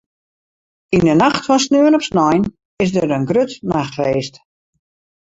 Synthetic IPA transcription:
indənaxtfɔns̬nøənɔpsnɔjn | ɪsdəɾənɡrøtnaxreːst

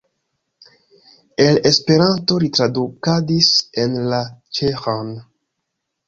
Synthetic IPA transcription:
e̞le̞spe̞ɾanto̞ɾitɾadukadise̞nlat͡ʃexan

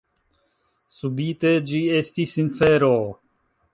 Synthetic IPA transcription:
subite̞d͡ʒie̞stisinfe̞ɾo

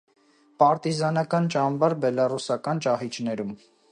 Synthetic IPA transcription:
pɑɾt̪izɑnɑkɑnt͡ʃɑmvɑɾbɛlɑrusɑkɑnt͡ʃɑhit͡ʃʰnɛɾum

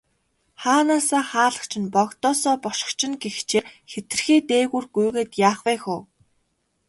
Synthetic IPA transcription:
χaːnaːsaːχaːɮə̥̆χt͡ɕʰɪ̆npɔɣt̪ɔːsɔːpɔʃɪ̥̆kt͡ɕʰɪ̆nɡext͡ɕeːxet̪ɘ̆rxiːt̪eːɣuːrɡujɣeːt̪jaːχwæːxʊː

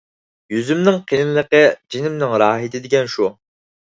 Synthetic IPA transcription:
jyzymnɪŋqʰinɪnlˠəqəd͡ʒinɪmnɪŋɾɑːɦɨt̪ʰɪd̪ɪɡʲɛnʃu

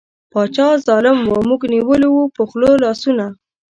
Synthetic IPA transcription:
pɑt͡ʃɑzɑlɪmwomuɡniwəliwupəxlolɑsuna

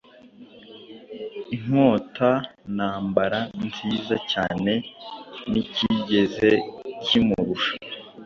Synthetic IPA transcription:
iŋ̥o̞ːtanaːmbaɾanziːzacaːne̞niciɟe̞ze̞cimuɾuʃḁ

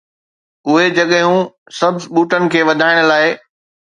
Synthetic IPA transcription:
ʊɦed͡ʑɐɠɦũ | sɐbzɓuːʈənɪ̆kʰeːʋɐd̪ʱaːɪɽ̃ʊ̆laːɪ

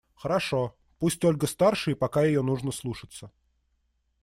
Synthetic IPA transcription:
xəɾɐʂo | pusʲtʲolʲɡəst̪arʂɨjəpɐkajɪjonuʐnəslˠuʂɨ̥t̪sə

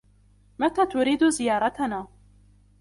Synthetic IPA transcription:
mat̪aːt̪ʊɾiːd̪ʊzɪjɑːɾˤɑt̪anaː

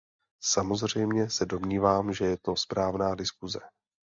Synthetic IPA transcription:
samo̞zr̝ɛjmɲɛsɛdo̞mɲiːvaːmʒɛjɛt̪o̞spɾaːvnaːdɪskuzɛ

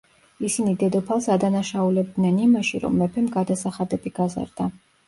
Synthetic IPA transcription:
isinid̪ɛd̪ɔpʰalˠsad̪anaʃaulɛb̚d̪nɛnimaʃiɾɔ̰mːɛpʰɛmɡad̪asaχad̪ɛbiɡaza̰ɾd̪̥a

